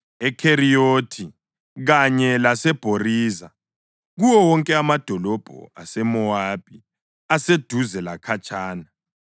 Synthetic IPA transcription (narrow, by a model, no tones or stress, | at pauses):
ɛkʰerijoːtʰi | ɣaɲɛlasɛb̥ʱoriːza | ɣuwɔwɔŋkʼɛamad̥ʱɔlɔb̥ʱɔ̰a̰sɛmɔaːb̥ʼi | ased̥ʱuzɛlakʰat͡ʃʼaːna